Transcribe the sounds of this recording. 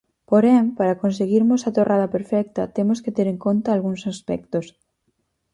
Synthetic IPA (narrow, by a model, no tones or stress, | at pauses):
poɾɛmpaɾakonseɣiɾmosat̪orʔaðɐpeɾfɛk̚t̪ɐt̪emosket̪eɾẽŋkont̪aːlɣuŋsaspɛ̰k̚t̪os